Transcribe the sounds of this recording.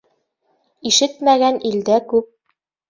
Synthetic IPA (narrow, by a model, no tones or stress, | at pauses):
iʃɘt̪mæɡænʔild̪ækʉp̚